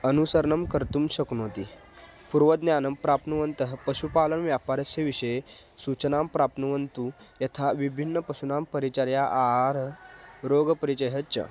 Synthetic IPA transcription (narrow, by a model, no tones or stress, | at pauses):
ənusəɾɳəmkəɾt̪uːmɕəknot̪i | puɾʋəd̪njanəmpɾapnuʋənt̪əɦpəɕupalənʋjapaɾəseʋiɕəjesut͡ɕənampɾapnuʋənt̪ujɐt̪ʰaʋibʱinːəpəsunampəɾit͡ɕaɾjaʔaɾɾoɡəpəɾit͡ɕəjɦətt͡ɕə̰